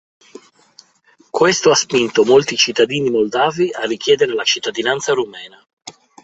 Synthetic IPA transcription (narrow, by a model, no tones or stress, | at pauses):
kwest̪oaspint̪omolt̪it͡ʃit̪ːad̪iːnimold̪aːviarːik̟jɛːd̪eɾelat͡ʃit̪ːad̪inant̪saɾumɛːna